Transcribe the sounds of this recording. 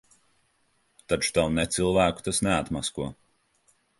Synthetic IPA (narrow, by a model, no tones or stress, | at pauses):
t̪at͡ʃu̥t̪awnɛt̪sɨlˠvæːku̥t̪asnɛat̪maskuɔ